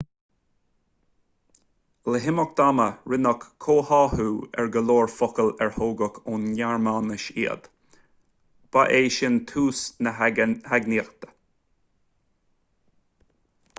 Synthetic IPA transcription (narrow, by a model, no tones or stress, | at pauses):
ləɦɪmək̚d̪̥aməɹɪnəkʰːoːhɑːhuːɛ̰ɹɡəloːɹfɔkəlɛɹhoːɡəkʰonjaɹmaːnəʃḭə̰d̪̥ | b̥aʔeːʃɪnt̪ʰuːsnəhaɡniːəxt̪ə̥